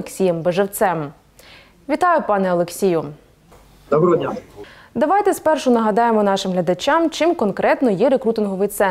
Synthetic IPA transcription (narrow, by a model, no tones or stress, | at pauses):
eksʲijɛmbeʒewt̪sɛm | ʋʲit̪ɑjʊpɑnɛɔlˠeksʲijʊ | d̪ɔbɾɔɔdʲnʲa | d̪ɐʋɑjt̪ɛspɛrʃʊnɐɦɐd̪ɑjemɔnɑʃɪmɦlʲɐd̪ɐt͡ʃʲɑmt͡ʃɪmkɔnkɾɛt̪nɔjɛɾekɾut̪ɪnɦɔʋɪjt̪sɛ